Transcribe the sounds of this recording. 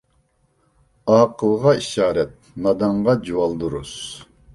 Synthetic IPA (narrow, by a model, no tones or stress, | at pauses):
ɑːqʰəlˠʁɑiʃɑːɾɛt̪̚nɑd̪ɑɴʁɑd͡ʒuwɑlˠd̪uɾṵs